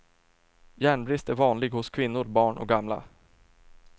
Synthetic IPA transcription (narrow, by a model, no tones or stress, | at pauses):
jæːɳbɾɪst̪æɾvɑːnlɪɡhʊskʰvɪnːʊɾbɑːɳʔɔ̰k̚ɡamla̰